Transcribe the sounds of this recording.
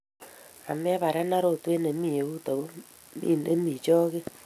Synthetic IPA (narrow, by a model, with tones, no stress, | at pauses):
a̰˨mɛ˦βa˨ɾa˦na˦ɾo˨twe˦ne˨mi˦˨e˨u˦ta˨o˦ | ḭ˦˨ne˦mbi˨t͡ʃɔ˦ɣe˦